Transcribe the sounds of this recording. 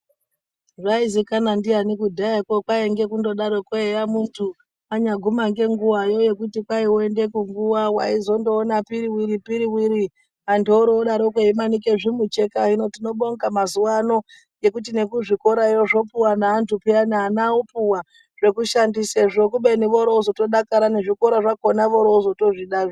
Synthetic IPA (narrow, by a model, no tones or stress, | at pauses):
ʐaizikanandianikudʱaakokwaeŋɡe̞kundo̞ɗaɾokoejamuntʰu | aɲaɡʱumaŋɡe̞ŋɡuwajo̞je̞kutikwaioende̞kuŋɡuwawa̰izo̞ndo̞ːnapiɾiwiɾipiɾiwiɾi | andoɾoːɗaɾokoimanike̞ʐimut͡ʃe̞kaɦino̞tino̞ɓo̞ŋɡamazuwano̞ | jekutine̞kuʐiko̞ɾaijoʐo̞puwanaːntupianaːnaopuwa | ʐ̥e̞kuʃandiseʐok̬uɓe̞niʋo̞ɾouzo̞to̞ɗakaɾaneʐikoɾaʐakonaʋo̞ɾouzo̞to̞ʐiɗaʐo